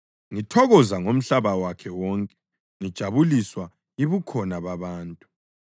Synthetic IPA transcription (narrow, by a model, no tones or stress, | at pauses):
ŋitʰɔɣɔzaŋom̩ɬaβawakʰɛwɔŋkʼɛ̥ | ŋid̥ʒ̥ʱaβuliswa | iβukʰɔnaβaβaːntʼu